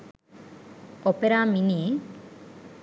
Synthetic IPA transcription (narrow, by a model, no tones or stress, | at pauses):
ɔpeɾamini